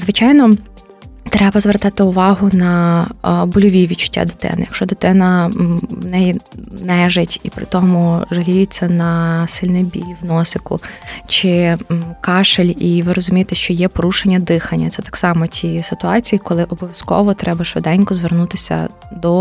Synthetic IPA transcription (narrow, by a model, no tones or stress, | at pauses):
zʋɪt͡ʃɑjnɔ | t̪ɾɛbɐzʋɛrt̪ɑt̪ɪʊʋɑɦʊnɐ | bʊlʲɔʋʲiʋʲid̪t͡ʃʊ̥tʲːa̰d̪ɪt̪ɛ̰nɪjɐkʃt͡ʃɔd̪ɪt̪ɪnɐʋnɛjinɛʒetʲipɾɪ̰t̪ɔmʊʒɐɦʲijɪt͡sʲːɐnɐsɪlʲnɛbʲḭlʲʋnɔsɪkʊ̰t͡ʃɪkɑʃelʲiʋɪɾɔzʊmʲijet̪ɛʃt͡ʃɔjɛpɔɾuʃenʲːɐd̪ɪxɐnʲːɐt̪sɛt̪ɑ̥ksɑmɔtʲisɪt̪ʊɑt͡sʲijikɔlˠɪʔɔbɔʋʲjɐskɔ̰ʋɔt̪ɾɛbɐʃʋɪd̪ɛnʲkɔzʋernut̪ɪsʲɐ̰ | d̪ɔ